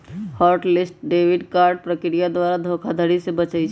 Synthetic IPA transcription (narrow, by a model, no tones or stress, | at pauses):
haːɾʈlɪsʈ̚ɖeːʋɪɖkaːɾɖ̚pɾəkɾijad̪waːɾad̪ʱoːkʰad̪ʱəɽisebət͡ʃait͡ʃʰ